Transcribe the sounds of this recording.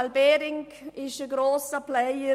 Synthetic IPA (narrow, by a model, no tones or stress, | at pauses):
albeːɾɪŋkɪʃəɡɾoːsəplɛə